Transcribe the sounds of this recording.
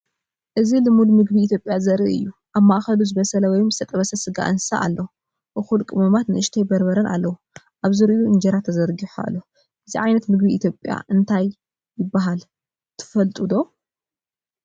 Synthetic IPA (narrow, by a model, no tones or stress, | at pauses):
ʔɨzilɨmulmɨɡbiit̪ʰjopʼjazɐɾiʔɨ̰jːuʔaβmaʔxɐluzɨβɐsɐlɐwɔjmzɨ̥t̪ʰɐt̪ʼɐβɐsɐsɨɡa̰ʔɨnsa̰ʔa̰lːɐu | ʔɨxulkʼɨmɐmat̪nɨʔɨʃt̪ʰejbɐɾbɐɾɐnʔa̰lːɐwu | ʔaβzɨɾiʔjuɨnd͡ʒɐɾat̪ʰːɐzɐɾɡiħua̰lːo | ʔɨziʕajnɐt̪mɨɡbiːt̪ʰjo̞pʼja̰ʔɨnt̪ʰajː | ɪbːaɦal | t̪ʰɨ̥fɐlt̪ʼud̪o̞